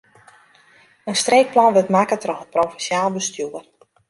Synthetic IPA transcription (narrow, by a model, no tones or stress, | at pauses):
ənstreːk̚plɑnʋətmaːkətrɔxət̚prowfɛnsjaːlˠbəstjuər